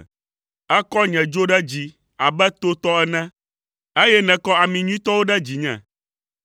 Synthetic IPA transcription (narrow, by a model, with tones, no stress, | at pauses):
ɛ˦kɔ˦ɲɛ̃˨d͡ʒo˦ɖɛ˦d͡ʑi˨ | a˨bɛ˦t̪o˦t̪ɔ˦ɛ˦nɛ̃˦ | e˦jɛ˦nɛ̃˨kɔ˦a˨mĩ˨ɲũ˦ĩ˦t̪ɔ˦wo˦ɖɛ˦d͡ʑi˨ɲɛ̰̃˨